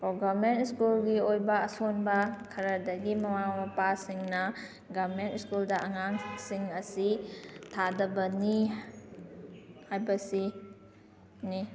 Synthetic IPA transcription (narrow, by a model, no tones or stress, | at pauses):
koɡabmentskulɡiojbɐːsonbɐkʰɐɾɐdɐɡimɐmamɐpasiŋnɐ | ɡabmentskuldɐʔɐŋaŋsiŋɐsitʰadɐbɐni | hajbɐsi | ni